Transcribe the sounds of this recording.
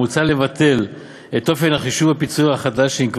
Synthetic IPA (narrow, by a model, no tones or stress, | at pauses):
ut͡sale̞vat̪ʰe̞l | et̪o̞fe̞nhaχiʃuvapit͡suahaχad̪aʃimkv